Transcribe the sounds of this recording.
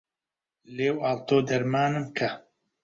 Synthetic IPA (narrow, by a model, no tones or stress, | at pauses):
leːwaːlt̪oːd̪ɐɾmaːnɨmkʰɐ